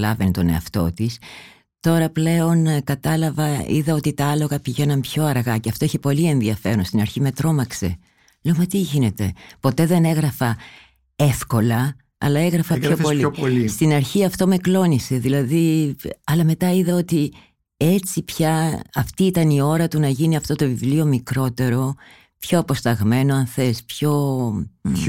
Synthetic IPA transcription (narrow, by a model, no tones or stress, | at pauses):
lɐvent̪o̞ne̞̰ɐ̰ft̪o̞̰t̪is | t̪o̞ɾɐple̞o̞nkɐt̪ɐlɐvɐḭðɐo̞t̪it̪ɐɐlo̞ɣɐpiʝenɐmpço̞ɐɾɣɐceɐft̪o̞içe̞po̞lie̞nðiɐfe̞ɾonst̪inɐɾçime̞t̪ɾo̞mɐkse̞̰ | leomɐt̪iʝine̞t̪e̞̰po̞t̪e̞ðe̞ne̞ɣɾɐfɐ | e̞fko̞lɐ | ɐ̰lɐe̞ɣɾɐfɐpooliolist̪inɐɾçiɐft̪o̞me̞klo̞nise̞ðilɐðiɐlɐme̞t̪ɐiðɐo̞t̪i | e̞t͡sipçɐɐft̪iit̪ɐnio̞ɾɐt̪unɐʝiniɐft̪o̞t̪o̞vivlio̞mikɾo̞t̪e̞ɾo̞ | pço̞ɐpo̞st̪ɐɣme̞noɐnθe̞spço̞